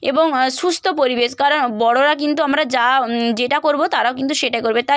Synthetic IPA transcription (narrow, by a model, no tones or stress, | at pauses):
ḛboŋʃust̪ʰopoɾibeʃkaɾonbɔɽoɾakint̪uamɾad͡ʑad͡ʑeʈakoɾbot̪aɾaok̬int̪uʃeʈaekoɾbet̪a